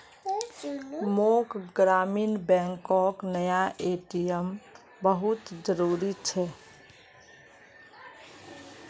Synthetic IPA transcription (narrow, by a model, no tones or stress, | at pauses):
mokɡɾaːmiːnbɛ̃ŋkɔknəjaʔeːʈijəm | bəɦut̪d͡ʒəɾuːɾit͡ʃʰɛ